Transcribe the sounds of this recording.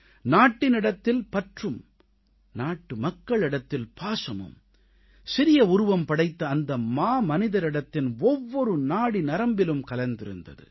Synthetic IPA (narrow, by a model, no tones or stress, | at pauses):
naːʈːɪnɪɽɐt̪ːɪlpɐʈrɯm | naːʈːɯmɐkːɐɭɪɽɐt̪ːɪlpaːsɐmɯ̰m | sɪɾɪjɐʊɾʊʋɐmpɐɽɐɪt̪ːɐːnd̪ɐmaːmɐnɪðɐɾɪɽɐt̪ːɪnɔʋːɔɾɯnaːɽinɐɾɐmbɪlɯmkɐlɐnd̪ɪɾɯ̰nd̪ɐ̰ðɯ̰